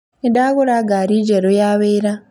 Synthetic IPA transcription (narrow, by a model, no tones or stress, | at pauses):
endaɣuɾaɡaɾid͡ʒeɾojaːβeːɾa